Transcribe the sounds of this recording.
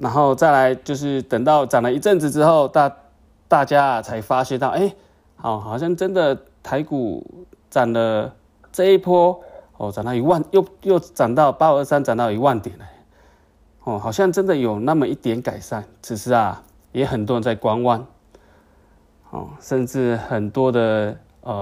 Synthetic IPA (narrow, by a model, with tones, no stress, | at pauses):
na˧˥nxo˥˧ʊt͡sa˥˩ɪla˧˦ɪt͡ɕjo˥˧ʊʂ̬ɻ̩˥˩t̪ə˨˩ŋt̪ɑ˥˩ʊt͡sa˨˩nlə˩˨i˧ʈ͡ʂə˥˨nt͡sɻ̩˨˩ʈ͡ʂɻ̩˥xo˥˩ʊt̪a˥˧ | t̪a˥˧t͡ɕja˥t͡sʰa˧˥ɪfa˥ɕɥɛ˥t̪ɑ˥˨ʊʔe˥˩ɪ | ha˨˩ʊxɑ˨˩ɕ̬jɑ˥˩ŋʈ͡ʂə˦nd̪ə˨ | t̪ʰa˧˥ɪkṵ˨˩ | t͡sa˨˩nlə˧ | t͡se˥˦pʰɔ˥ | ɔ˧˩ʈ͡ʂa˨˩nt̪ɑ˥˩i˧˥wa˥˧˨njo˥˨ʊjo˥˩ʊʈ͡ʂa˨˩nt̪ɑ˥˩ʊpa˥˧ə˥˧sa˥nt͡sa˨˩nt̪ɑ˥˩ʊi˧˥wa˥˩˨nt̪jɛ˨˩˦nə˦ | hɔ˥˩xɑ˨˩ʊɕjɑ˥˧ŋʈ͡ʂə˦˥nd̪ə˨jo˨˩ʊna˥˨mə˨i˥˩t̪jɛ˧˥nka˨˩ɪʂa˥˩nʈ͡ʂʰɻ̩˨˩ʂɻ̩˧˥ɐ˨ | jɛ˧˥xə˨˩nt̪wɔ˥˧ə˧nt͡sa˥˩ɪkwa˥nwa˥n | xɔ̰˥˨˩ʂə˥˧nʈ͡ʂɻ̩˥˩xə˨˩nt̪wɔ˥d̪ə˨ | ə˩